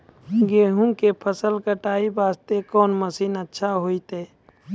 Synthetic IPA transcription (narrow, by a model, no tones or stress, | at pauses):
ɡeːɦũkepʰəsəlkəʈaːibaːst̪ekɔːnməsiːnətːʃʰaɦoːit̪eː